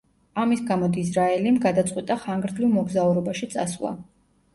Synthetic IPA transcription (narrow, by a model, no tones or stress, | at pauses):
amisɡamɔd̪izɾaɛlimɡad̪at̪sʼqʼwit̪ʼaχaŋɡɾd̪livˠmɔɡzauɾɔbaʃit̪sʼaswlˠa̰